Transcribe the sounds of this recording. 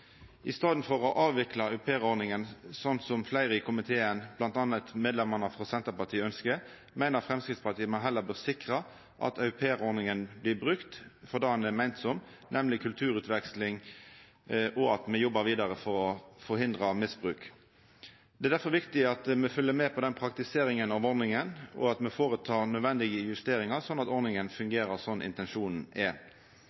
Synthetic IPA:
ʔɪst̪ɑːd̪nfɔʁɔʔɑːʋʋɪklɑʉpʰeːʁɔnɪŋənsɔnt̪sɔmflæɪʁɪkʰʊmɪt̪ʰeːənb̥lɑnt̪ɑnət̪meːd̪lɛmɑnəfʁɑsɛnt̪əʁpɑt̪ʰiːəœnskə | mæɪnəʁfʁɛmskʁɪt̪spɑt̪ʰiːəmɑɦɛlːəbøːʁsɪkʁɑ | ʔɑ̰t̪ʰɑʉpʰeːʁɔɾnɪŋənblɪbʁʉkt̪fɔʁd̪ɑːɑnɛmæɪnt̪sɔm | nʔɛmlɪkʰʉlt̪ʰʉːɾʉːt̪ʋɛkslɪŋ | ʔɔɑt̪mɛjɔbːəɾʋiːd̪ɑʁəfɔɾɔfɔɾɦɪnd̪ʁɑmɪsbʁʉːk | d̪̥ɛd̪æfɔɾʋɪkt̪ɪɑt̪mɛfœlːəmɛːpʰɔd̪ɛnpʰɾɑk̚t̪ɪseːɾɪŋənɑʋɔɾnɪŋənɔ̰ɑt̪mɛfoːɾət̪ʰɑːɾnœd̪ʋɛnd̪ɪɡəjʉst̪eːɾɪŋɑʁsɔnːɑt̪ɔɾnɪŋənfʉŋɡeːɾəʁsɔnːʔɪ̰nt̪ɛnʂuːnn̩ɛ

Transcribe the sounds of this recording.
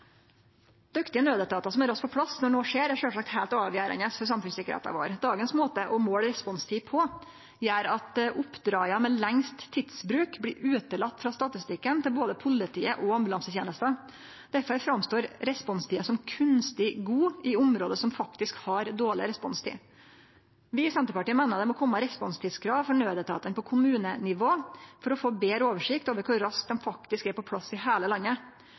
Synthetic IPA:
d̪̥ʉkt̪ɪənøːd̪ət̪ʰɑːt̪ɑsɔmæɾɑspʰɔpʰɽɑsnɔɳoːʂeːɾæɾʂøːlʂɑk̚t̪hæɪlt̪ɑːʋjæːɾə̰nəsfɔɾs̬ɑmfʉnsɪkːəɾhḛːt̪ɑ̰ʋo̰ːɾd̪ɑːɡənsmoːt̪əʔɔmoːɽɾɛspɔnst̪ʰiːpʰɔ | jæːɾɑt̪ʔʊpːd̪ɾɑːɑmɛlɛŋst̪ʰːɪd̪sbɾʉːkblɪːɾʔʉːt̪əlɑt̪ːfɾɑst̪ɑt̪ɪst̪ɪkːənt̪ʰɪlboːd̪əpʰʊlɪt̪ʰḭːəʔɔɑmbʉlɑnsət̪jeːnəst̪ə | d̪̥æɾfɔɾæfɾɑmst̪oːɾɾɛspɔnst̪iːəsɔmkʰʉnst̪ɪɡuːɪʊmɾoːd̪əsɔmfɑkt̪ɪskhɑɾd̪oːɭɪ̰ɾɛspɔnst̪ʰḭː | ʋɪsɛnt̪əɾpɑʈiːəmɛnəɾd̪ɛmɔkʰɔmːəɾɛspɔnst̪ʰiːd̪skʰɾɑːʋfɔɳøːd̪ət̪ʰɑ̰ːt̪ənpɔkʰʊmʉːnənɪʋoːfɔɾɔfoːbeːɾoːʋəʂɪkt̪oːʋəɾkʰʊɾɾɑsk̚d̪ɛnfɑk̚t̪ɪskæɾpɔpʰlɑsɪɦeːləlɑnːə

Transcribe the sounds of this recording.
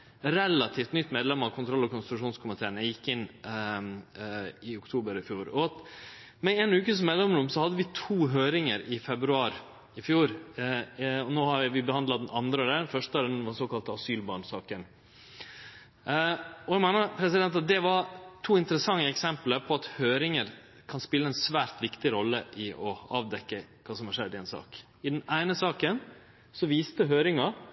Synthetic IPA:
ɾɛlːɑt̪ʰiːft̪nʏt̪ːmeːd̪lɛmːɑʋkʰʊnt̪ʰɾɔlːɔkʊnst̪ɾʉʂuːnskʰʊmɪt̪ʰeːənɛjɪkːɪnː | ɪʊkt̪ʰuːbəɾɪfjuːɾɔɑt̪ | mɛɛnʉːkəs̬meːd̪lɛmɾʊmsɔhɑd̪ːəʋɪt̪ʰuːɦøːɾɪŋəɾɪfɛbɾʉɑːɾ | ɪfjuːɾ | ɔnoːhɑɾʋɪʋɪbəhɑnd̪lɑd̪ɛnɑnd̪ɾəɔd̪ɛfœʂʈəd̪ɛnʋɑsoːkɑlt̪əɑsyːlbɑɳsɑːkən | ɔɛɡmæɪnəɾpʰɾɛsɪd̪ɛnt̪ɑt̪̚d̪ɛʋɑɾt̪ʰuːɪnt̪əɾəsɑŋːəɛksɛmpləɾpʰɔɑt̪høːɾɪŋəɾ | kʰɑnspɪlːəɛnsʋæːɾt̪ʋɪkt̪ɪɾɔlːəʔɪʔɔɑːʋd̪ɛkːəkʰɑːsɔmhɑɾʂɛd̪ːɪɛnsɑ̰ːk | ɪd̪ɛnæɪnəsɑːkən | sɔʋiːst̪əɦøːɾɪŋɑ

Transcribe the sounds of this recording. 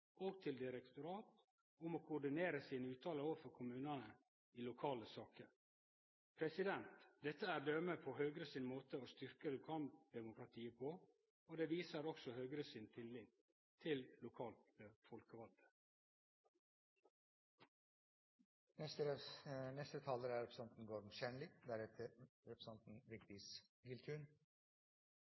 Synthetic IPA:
ʔoːɡt̪ʰɪld̪ɪɾɛkt̪ʊɾɑːt̪ | ʊmoːkʰʊɖɪneːɾəsiːnəʉːt̪ʰɑːləoːʋəfɔɾkʰʊmʉːnɑnə | iːlʊkʰɑːləsɑːkəɾ | pʰɾɛsɪd̪ɛnt̪d̪ɛt̪ːəæːɾɖ̪œməpʰɔɦœːɡɾəsɪnmoːt̪əoːst̪ʏɾkəlʊkʰɑːld̪̥ɛmʊkɾɑt̪ʰiːəpʰɔ | od̪ɛːʋiːsəɾɔksɔhøːɡɾəsɪnt̪ʰɪlːɪɡ̪ | t̪ʰɪllʊkʰɑːlt̪əfɔlkəʋɑld̪ə̥ | ɛ | nɛst̪ət̪ʰɑːləɾæɾɛpɾsɑnt̪n̩ɡoːɾm̩ʃɛɳlɪd̪æɾɛt̪ʰəɾɛpɾsɑnt̪n̩ʋɪkt̪ɪsɡɪlt̪ʰʉːɳ

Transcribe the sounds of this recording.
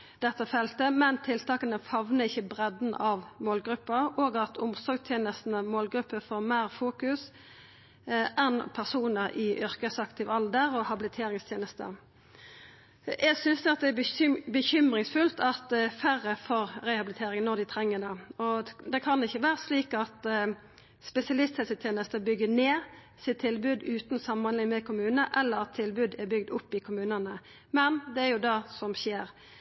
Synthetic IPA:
d̪̥ɛt̪ːəfɛlt̪əmɛnt̪ʰɪlt̪ʰɑːkənəfɑʋnəɪçːəbʁɛd̪n̩ʔɑʋmoːlɡɾʉpːəɾoːɡɑt̪ʰʊmsɔɾɡt̪ʰjeːnəst̪n̩əmoːlɡɾʉpːəfoːʁmæɾfuːkʉs | ʔɛnpʰæʁsuːnəɾʔɪʔʏʁkəsɑkt̪ʰɪʋɑld̪əɾɔhɑbɪlɪt̪ʰeːɾɪŋst̪ʰjeːnəst̪ə̰ | jæɪɡsʏnsd̪ɛɑt̪̚d̪ɛæbəçʏmɾɪŋsfʉlt̪ʰɑt̪fæʁəfɔɾɾɛhɑbɪlɪt̪ʰeːɾɪŋənɔd̪ɪt̪ʰɾɛŋːəd̪ɑɔd̪ɛkʰɑnɪçːəʋæːʁəsliːkɑt̪ | spɛsɪɑlɪst̪hɛlsət̪ʰjeːnəst̪əbʏɡːəneː | sɪt̪t̪ʰːɪlbʉd̪ʉːt̪nsɑmmɑnlɪŋmɛkʰʊmʉːnəʔɛlːəɾɑt̪ʰːɪlbʉd̪ɛɾbʏɡd̪ʊpːɪkʰʊmʉːnənə | mɛnd̪ɛæɾjʊd̪ɑsɔmɕeːɾ

